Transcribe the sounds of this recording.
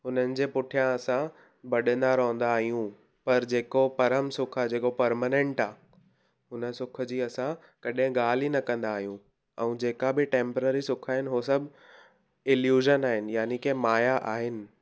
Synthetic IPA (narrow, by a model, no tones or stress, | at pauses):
ɦʊnənɪ̆d͡ʑeːpʊʈʰijãɐsã | bɐɗə̃nd̪aɾoɦə̃nd̪aːɦijũ | pɐɾd͡ʑeːkopɐɾəmsʊkʰad͡ʑeːkopɐɾmaːnẽɳʈaː | ɦʊnə̆sʊkʰə̆d͡ʑiːɐsã | kɐɗɦɪ̃ɡaːl̤inɐkɐ̃nd̪aːɦijũ | ɛ̃ːd͡ʑeːkabɪʈẽːmpəɾeːɾisʊkʰaːɦɪnɪɦosɐbʱ | ɪljuːʒənaːɦɪnɪ̆jaːnikemaːjaʔaːɦɪnɪ̆